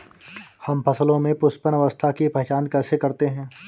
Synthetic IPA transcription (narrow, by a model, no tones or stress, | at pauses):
hɐmpʰɐsəlõmẽpʊspənəʋəst̪ʰakipɛːt͡ʃaːnkɛːsekɐɾt̪eɦɛ̃ː